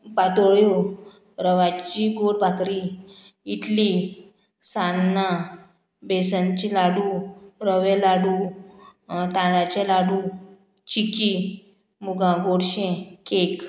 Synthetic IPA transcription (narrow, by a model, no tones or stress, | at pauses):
pat̪oɭjo | ɾəʋat͡ɕiɡoɽbʱakɾi | it̪li | sanːa | besãɲt͡ɕilaɽuɾəʋɛlaɽu | t̪ãɽat͡ɕelaɽu | t͡ɕiki | muɡãɡoɽɕẽkek